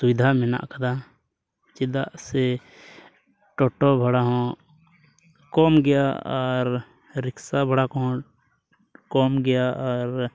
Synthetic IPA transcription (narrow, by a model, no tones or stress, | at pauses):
sʊwɪd̪ʱamɪna̰ʔkɐd̪a | t͡ʃɪd̪aʔse | ʈɔːʈobʱəɽaɦɔ̃ | kɔmɡɛjaɔɾ | ɾɪksabʱəɽakɔ̃ | kɔːmɡɛjaɔɾ